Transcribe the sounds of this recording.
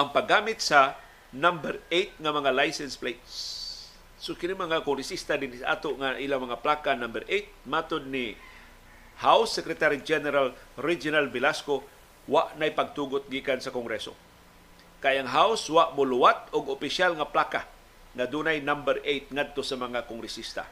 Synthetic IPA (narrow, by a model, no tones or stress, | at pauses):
ʔaŋpaɡːaːmɪt̪̚sa | nambɛɾejt̪̚ŋamɐŋalajsɛnsplejt̪sː | okɪnimaŋakʊŋɾɪsist̪ad̪ɪnisaʔa̰ːt̪oʔŋaʔilamɐŋaplaːkanambɛɾʔejt̪̚maːt̪od̪̚ni | hawsːɛkɾɛt̪aɾid͡ʒɛnɛɾalɾid͡ʒʊnalbɪlasko | waʔnajpaɡ̚t̪uːɡʊt̪̚ɡiːkansakoŋɡɾɛso̰ | kajaŋɦawswaʔmʊlʊwat̪ʊɡopɪʃalŋaplaːka | ŋad̪uːnajnambɛɾʔejt̪̚ŋad̪̚t̪osamɐŋakoŋɾɛsist̪a̰